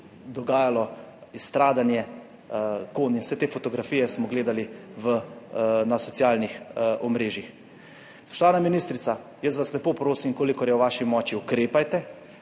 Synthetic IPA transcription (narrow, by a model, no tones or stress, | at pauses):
d̪ɔɡaːjalɔist̪ɾaːd̪anjɛ | koːninwsɛt̪eːfoɔt̪ɔɡɾafiːjɛsmɔɡleːd̪aliʋənasɔt̪sjaːlnixɔmɾeːʒjix | spɔʃt̪ɔʋaːnaminiːst̪ɾit̪sa | jəstʋaslɛpoːpɾoːsimkoːlikɔɾjɛwʋaːʃimɔːt͡ʃiukɾeːpajt̪ɛ